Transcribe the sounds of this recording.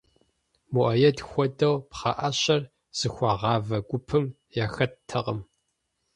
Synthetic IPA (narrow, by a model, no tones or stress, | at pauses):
muʔɐjɐdxʷɔdɐwpχɑ̰ʔɐɕɐr | z̥ɨxʷɑʁɑːvɐɡʷʊpʰɨm | jaxɐtʰɐʁəm